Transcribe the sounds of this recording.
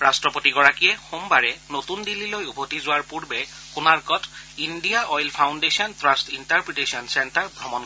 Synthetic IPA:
ɹastɹɔpotiɡɔɹakijɛxumbaɹɛnotundilːilojubʱotizʊaɹpuɹbɛ | kunaɹkɔtindijaʔɔjlpʰawndesiɔntɹastintaɹpɹitesiɔnsɛntaɹbʱɹɔmɔn

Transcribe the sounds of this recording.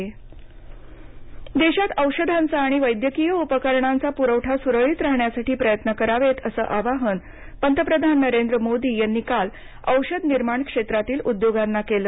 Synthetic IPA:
d̪eɕat̪əwʂəd̪ʱãnt͡saːɽ̃iʋəjd̪jəkijəupəkəɾɳant͡sapuɾəwʈʰasuɾəɭiːt̪ɾaɦɳjasaʈiːpɾəjət̪nəkəɾaʋet̪əsə̰ːʔaʋaɦən | pənt̪əpɾəd̪ʱanːəɾend̪ɾəmod̪iːjanːiːkal | əwɕəd̪niɾmaɳkʂet̪ɾat̪iːlud̪joɡanːakeləː

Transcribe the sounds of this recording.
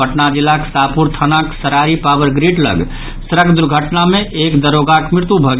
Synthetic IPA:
əʈnad͡ʒilːaksapuɾt̪ʰənaksəɾaɾipawəɾɡɾiʈlə̰ɡ | səɾəkd̪uɾɡʱəʈnamẽʔekd̪əɾoːɡakmɪɾt̪ubʱəɡ

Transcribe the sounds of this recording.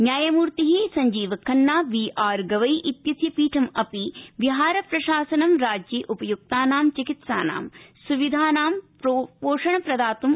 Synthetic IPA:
njaːjɐmuːɾt̪iɦiːsɐɲd͡ʒiːʋɐkʰːɐnːaːʋiːʔaːɾɡɐʋɐjʔit̪jɐt̪jɐpiːʈʰɐmɐpiʋiɦaːɾɐpɾɐʃaːsɐnɐmɾaːd͡ʒjiːʔupɐjuk̚t̪aːnaːmt͡ʃikit̪sa̰ːna̰ːmsuʋid̪ʱaːnaːmpɾopoːʂɐɳɐpɾɐd̪aːt̪um

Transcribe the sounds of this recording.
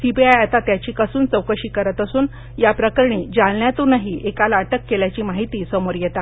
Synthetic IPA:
sibiajat̪at̪jat͡ɕiːkəsuːnt͡səwkəɕiːkəɾət̪əsuːn | japɾəkəɾɳiːd͡zalɳjat̪unaɦiːʔekalːʈəkːeljat͡ɕiːmaɦit̪iːsəmoɾjet̪a

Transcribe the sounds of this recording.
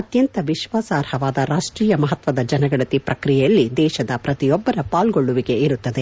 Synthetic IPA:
ɐt̪jɐnt̪ɐʋiʃʋaːsaːɾhɐʋaːd̪ɐɾaːʂʈɾiːjɐmɐɦɐt̪ʋɐd̪ɐd͡ʒɐnɐɡɐɭɐt̪ipɾɐkɾijɛjɐlːid̪ɛːʃɐd̪ɐpɾɐt̪ijɔbːɐɾɐpaːlɡoɭːuʋiɡe̞iɾut̪ːɐd̪e

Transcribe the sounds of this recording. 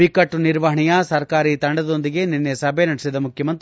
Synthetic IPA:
ikɐʈːuniɾʋɐɦɐɳijɐsɐɾkaːɾit̪ɐɳɖɐd̪o̞nd̪iɡe̞ninːesɐbʱenɐɽɛsid̪ɐmukʰjɐmɐnt̪i

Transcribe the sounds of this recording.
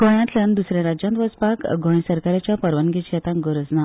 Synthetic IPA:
ɡʱɔ̃ɽjãt̪ljand̪usɾjãɾad͡ʑjant̪ʋəspakɡʱɔ̃j̃səɾkaɾjat͡ɕjapəɾʋənɡet͡ɕjɛt̪ãŋɡəɾəd͡zna

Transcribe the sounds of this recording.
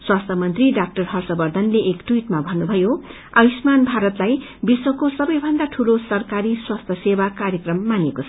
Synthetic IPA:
swast̪ʰʌmʌnt̪riɖak̚ʈʌrɦʌrsʌbʌrd̪ʱʌnleʔekʈwiʈmabʱʌnːubʱʌjo | abismanbʱaɾʌt̪laj | biswʌkosʌbʌjbʱʌnd̪aʈʰulosʌrkaɾiswast̪ʰʌsewakarjʌkrʌmːanekot͡sʰʌ

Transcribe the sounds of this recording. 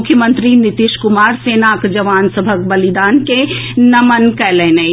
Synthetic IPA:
ʊkʰjəmə̃nt̪ɾinɪt̪iʃkʊmaːɾseːnakd͡ʒɐʋaːnsəbʱəkbɐlid̪aːnkenɐmənkɛːleːnɐj

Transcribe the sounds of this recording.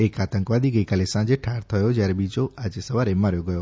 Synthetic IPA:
ekat̪ə̃ŋkʋad̪ʱiɡəjkalesãd͡ʒeʈʰaɾt̪ʰəjod͡ʒjaɾebid͡ʒoʔad͡ʒesəʋaɾemaɾjoɡəjo

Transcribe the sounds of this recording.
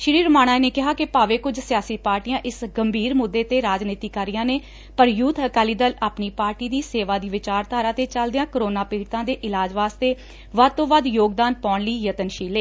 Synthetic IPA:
ʃɾiːɾəmaːñaːneːkɪɦaːkɪpaːʋeːkʊd͡ʒsɪjaːsiːpaːɾʈijãːʔɪsɡəmbʱiːɾmʊd̪ːeːt̪eːɾaːd͡ʒniːt̪iːkəɾɪjãːneː | pəɾjuːt̪ʰəkaːliːd̪əlaːpniːpaːɾʈiːd̪iːseːʋaːd̪iːʋɪt͡ʃaːɾt̪aːɾãːt̪eːt͡ʃəld̪ɪjãːkəɾoːnaːpiːɽt̪ãːd̪eːʔɪlaːd͡ʒʋaːst̪eː | ʋəd̪̚t̪õːʋəd̪joːɡd̪aːnpɔːɳləiːjət̪ənʃiːleː

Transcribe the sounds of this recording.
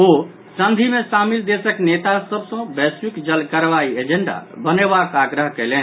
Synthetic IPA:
o | sənd̪ʱimesamild̪esəknet̪asəbsə̃bɛswikd͡ʒəlkəɾʋaied͡ʒeɳɖa̰bənebakaɡɾəɦkɛjlen

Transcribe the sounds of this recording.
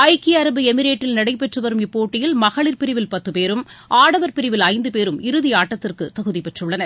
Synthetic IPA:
ɐɪkɪɐɾɐbɯɛmɪɾeːʈːɪlnɐɽɐɪpːɛʈrɯʋɐɾɯmɪpːoːʈːɪjɪlmɐɣɐɭɪɾpɪɾɪʋɪlpɐt̪ːɯpeːɾɯmʔaːɽɐʋɐɾpɪɾɪʋɪlɐɪnd̪ɯpeːɾɯmɪɾɯðɪjaːʈːɐt̪ːɪrkɯt̪ɐɣɯðipɛʈrɯɭːɐnɐɾ

